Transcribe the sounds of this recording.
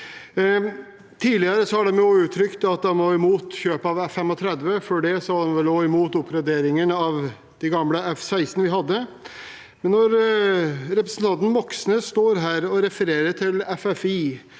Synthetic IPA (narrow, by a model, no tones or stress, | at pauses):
t̪ʰiːlɪəɾəsɔɑɖ̪ɛmjoːʉːt̪ʰːɾʏkt̪ɑt̪̚d̪ɑnʋoːɪmuːt̪çøːpəɑʋɛfɛmɔt̪ʰɾɛd̪ʋəføɖɛsɔd̪ɛnʋɛloːɪmuːt̪ʊpːɾɑd̪eːɾɪŋənəɑʋ | d̪̥æɡɑmləɛfsæɪsnəʋɪɦɑd̪ːə | mɛnːɔɾ | ɾɛpɾəsn̩t̪ʰɑnt̪n̩ʋɔksnəst̪oːɾɦæːɾɔɾɛfəɾeːɾəʈʰɪlɛfɛfiː